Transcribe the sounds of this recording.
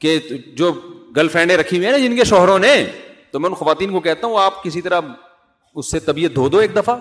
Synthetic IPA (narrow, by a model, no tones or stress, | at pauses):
ked͡ʒoːɡɐlfɛ̃ːɳɖẽɾɐkʰiwĩɦɛnad͡ʒɪnkeʃɔːɦɾõnet̪omɛ̃ʊnxɐʋaːt̪iːnkokɛɦt̪aɦũaːp̚kɪsit̪ɐɾa | ʊsːet̪ɐbiːət̪̚d̪ʱoːd̪oeːk̚d̪ɐfa